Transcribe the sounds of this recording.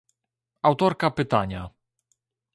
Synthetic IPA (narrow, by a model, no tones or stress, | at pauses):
awt̪ɔɾkapɘt̪aɲa